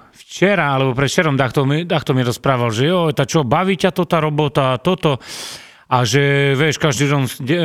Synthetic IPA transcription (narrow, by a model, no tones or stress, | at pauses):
ft͡ʃɛɾaalɛbɔpɾɛt̪t͡ʃɛɾɔmd̪axt̪ɔmid̪axt̪ɔmiɾɔspɾaːʋalʒɛjɔjt̪at͡ʃɔbaʋiːcat̪ɔt̪aɾɔbɔt̪aːt̪ɔt̪ɔ | aʒɛʋɛʃkaʒd̪id̪ɔnɛ